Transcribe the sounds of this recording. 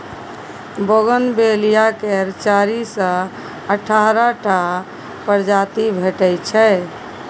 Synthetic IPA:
boɡənbelijakeɾt͡ʃaɾisə̃ | əʈʰaɾaʈʰa | pəɾd͡ʒat̪ibʱeʈɛt͡ʃʰɛ

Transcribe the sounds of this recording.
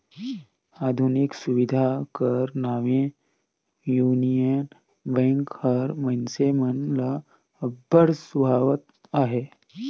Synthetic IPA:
aːd̪ʱuniksuʋid̪ʱakəɾnaːʋẽ | juːnijən | bɛ̃ŋkhəɾmənsemənla | bəɾsubʱaːʋət̪̚ | aːɦeː

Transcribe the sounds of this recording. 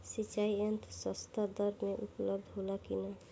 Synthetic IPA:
sit͡ʃaiənt̪ʰsɔst̪ad̪əɾbmeʔupləb̚d̪ʱɦolakina

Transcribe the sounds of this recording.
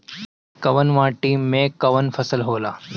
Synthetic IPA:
kɐʋənʋãːʈiːmẽkɐʋənfʰɐsəlɦoːla̰ː

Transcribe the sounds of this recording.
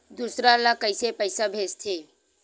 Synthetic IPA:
d̪usɾalakəɪsepəɪsabʱest̪ʰe

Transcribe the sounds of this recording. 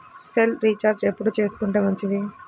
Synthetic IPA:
selɾit͡ʃaːɾd͡ʒepːuɽut͡ʃe̞ːsu̥k̪uɳʈeːmɐɲt͡ʃid̪i

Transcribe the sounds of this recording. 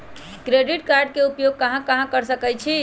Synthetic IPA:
kɾeɖiʈkaɾɖ̚keupjoɡ̚kəɦãkəɦãkəɾsəkɛjt͡ʃʰi

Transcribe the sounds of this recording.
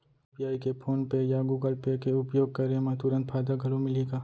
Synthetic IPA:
pijaːikepʰoːnpejaɡuːɡəlpekeʊpjoːɡ̚kɐɾẽmɐ̃ɦt̪uɾə̃nt̪̚pʰaːd̪aɡʱɐlomɪliɡaː

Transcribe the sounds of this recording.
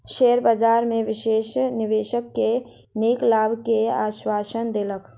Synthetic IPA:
ʃeːɾbad͡ʒaːɾmẽʋɪʃeːʃnɪʋeːʃəkːe | niːklaːbʱkeaːʃwaːʃənd̪eːlək

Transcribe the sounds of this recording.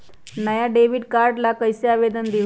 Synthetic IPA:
nəjaɖeʋiɖkaɾɖlakəjseaʋed̪ənd̪i

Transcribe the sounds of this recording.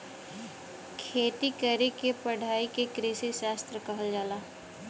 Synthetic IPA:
kʰeːt̪ikəɾekepɐɽʱaːikekɾɪsiʃaːst̪ɾəkɐɦəld͡ʒaːlaː

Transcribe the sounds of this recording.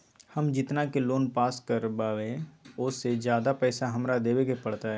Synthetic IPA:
hɐmd͡ʒɪt̪nakeloːnpaːskəɾbaːʋẽʊsːed͡ʒjaːd̪apɛːsaɦɐmɾad̪eːwekepɐɽ̤t̪aɦɛː

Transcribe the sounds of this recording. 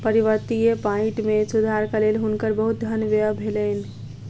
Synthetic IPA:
pəɾiʋəɾt̪ijepãɪ̃ʈmesud̪ʱaɾkalelɦunkəɾbəɦut̪̚d̪ʱənʋeəbʱeləni

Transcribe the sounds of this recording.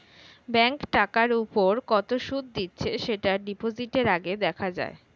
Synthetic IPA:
bɛŋkʈakaɾupoɾkɔt̪oʃud̪̚d̪itːɕʰeʃeʈaɖipod͡ʑiʈeɾaɡed̪ɛkʰad͡ʑa̰e

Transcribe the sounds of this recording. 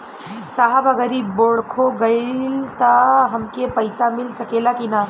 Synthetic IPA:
saːɦəbɐɡəɾiboɽkʰoɡɐilt̪ɐɦɐmkepɐɪsamɪlsɐkeːlakinaː

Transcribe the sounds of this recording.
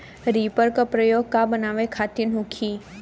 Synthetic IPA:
ɾipəɾkəpɾəjoɡ̚kabənaːʋekʰaːt̪inɦʊ̃kʰi

